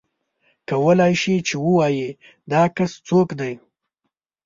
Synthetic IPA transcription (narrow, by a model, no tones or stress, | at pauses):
kawəlɑjʃit͡ʃewəwɑji | d̪ɑkast͡sokd̪aj